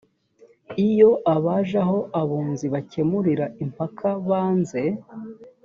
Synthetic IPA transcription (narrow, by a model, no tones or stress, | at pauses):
ijo̞ʔaβaʒaɦo̞ʔaβuːnziβace̞muɾiɾaimpakʰaβaːnze̞